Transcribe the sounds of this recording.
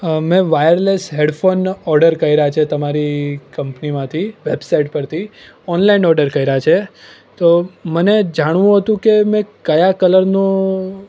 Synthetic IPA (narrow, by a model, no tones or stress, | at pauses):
mɛ̃ʋajəɾlesɦeɽfʰonɔɾɖəɾkəɦiɾəat͡ʃʰet̪əmaɾikəmpnimãt̪ʰiʋebsaiʈ̚pəɾt̪ʰi | ɔnlainɔɾɖəɾkəiɾat͡ʃʰe | t̪oməned͡ʒaɽ̃ʋũɦət̪ũkemɛ̃kəjakələɾno